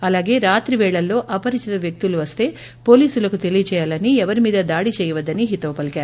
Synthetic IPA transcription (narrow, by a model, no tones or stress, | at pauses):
ɐlaːɡe̞ːɾaːt̪ɾiʋɛːɭɐlːo̞ːʔɐpɐɾit͡ʃit̪ɐʋjɐk̚t̪uluʋɐst̪e̞ː | po̞ːliːsulɐkut̪e̞lijɐt͡ʃɛːjaːlɐniɛʋɐɾimiːd̪ɐd̪aːɽit͡ʃɛːjɐʋɐd̪ːɐniɦit̪ɐːɐpɐlkaːɾu